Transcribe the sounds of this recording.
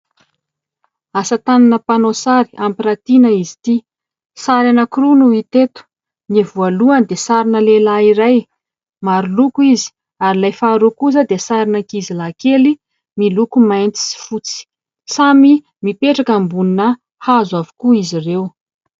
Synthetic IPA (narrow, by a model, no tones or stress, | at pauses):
asət̪ananəpanosaɾi̥ampiɾat̪inəizi̥t̪i | saɾanəkrunuit̪et̪u̥ | nivualuand̪esaɾinəlelaiɾaj | maɾulukuizi̥ | aɾilajfaɾukuzəd̪esaɾinəkizilakeli | milukumajnt͡si̥si̥fut͡si̥ | sami | mipeʈ͡ʂakambuninə | hazwavu̥kuizirew